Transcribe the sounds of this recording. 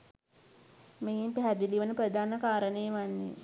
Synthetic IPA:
meimpɛɦæd̪iliʋənəpɾəd̪aːnəkaːɾənejʋanːḛ

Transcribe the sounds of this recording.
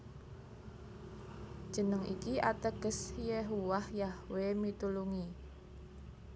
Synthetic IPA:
d̥ʒ̥ə̤nəŋḭkiʔat̪əɡ̥ə̤sjeɦuwahjahwemit̪uluŋi

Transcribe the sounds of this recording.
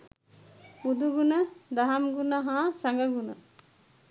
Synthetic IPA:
ud̪uɡunəd̪aɦamɡunaɦãsaŋɡəɡunə̰

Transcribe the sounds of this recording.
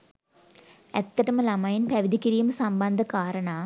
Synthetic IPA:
ɛt̪ːɐʈːɐmɐlɐmɐjɪnpɐʋɪd̪ikːɪɾijɐmsɐmbɐnd̪ɐkaːɾɐɳa

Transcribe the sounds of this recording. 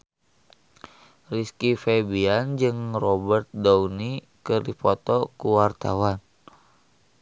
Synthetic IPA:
riskifɛbiand͡ʒɨŋrɔbərt̪̚dɔuni | kərdipɔt̪ɔkuwart̪a̰wan

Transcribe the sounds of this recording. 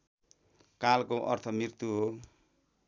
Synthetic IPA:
kalkoʔʌ̰rt̪ʰʌmɾirt̪uɦo

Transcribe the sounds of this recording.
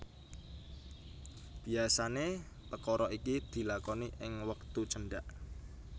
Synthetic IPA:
b̥i̤asane | p̪əkɔɾɔʔikid̪̥i̤lakɔniʔɪŋwəkt̪ut͡ʃəɳɖaʔ

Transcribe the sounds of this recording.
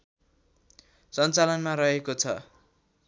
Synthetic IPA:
sʌnt͡salʌnmaɾʌɦekot͡sʰʌ

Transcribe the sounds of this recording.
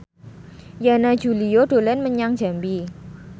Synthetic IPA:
janḁd͡ʒ̥ulioɖ̥olɛnməɲaŋd͡ʒ̥a̤mbi

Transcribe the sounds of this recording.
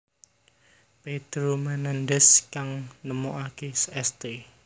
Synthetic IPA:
ped̪̥ɾomɛnandɛskaŋnəmoʔakesɛst̪e

